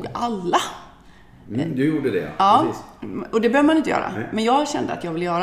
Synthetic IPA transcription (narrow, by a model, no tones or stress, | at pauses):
ɡʔalːa | d̪juːɖəd̪ɛ̰ɑː | ɔd̪ɛbøːvəmanɪnt̪əjœ̰ːɾa̰mɛnjɑːɡɕɛnd̪əat̪jɑːɡvɪlːəjœːɾ